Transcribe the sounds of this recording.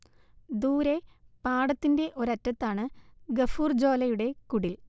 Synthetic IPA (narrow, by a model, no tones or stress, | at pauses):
d̪uːɾe̞paːɽɐt̪ːinde̞ʔo̞ɾɐtːɐt̪ːaːɳɨɡɐfuːrd͡ʑo̞ːlɐjuɽe̞kuɽil